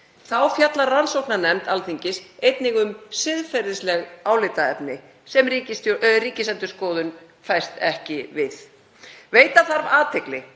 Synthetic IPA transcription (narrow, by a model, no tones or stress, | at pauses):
θawfjat̪laɾransowknanɛmt̪alθiɲcɪsejt̪nɪɣʏmsɪðfɛɾɪslɛɣaːwlɪt̪aɛpnɪ | sɛmicɪsriːcɪsɛnt̪ʏɾ̥skɔːðʏn | fajst̪ɛhcɪvɪθ | veːjt̪aθaɾvaːt̪ʰeklɪ